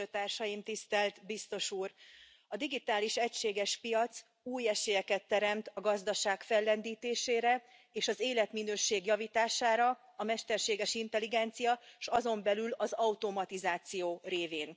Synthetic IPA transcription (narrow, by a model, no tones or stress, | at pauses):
øːt̪aːrʃɒjimt̪ist̪ɛlt̪bist̪o̞ʃuːr | ɒd̪iɡit̪aːliʃɛcʃeːɡɛʃpijɒt̪s | uːjɛʃejɛkɛt̪ːɛɾɛmt̪ɒɡɒzd̪ɒʃaːkfɛlːɛnd̪iːt̪eːʃeːɾɛ | eːʃɒzeːlɛt̪minøːʃeːɡjɒviːt̪aːʃaːɾɒ | ɒmɛʃt̪ɛrʃeːɡɛʃint̪ɛliɡɛnt̪sijɒʃɒzo̞mbɛlylɒzɒut̪o̞mɒt̪izaːt̪sijoːreːveːn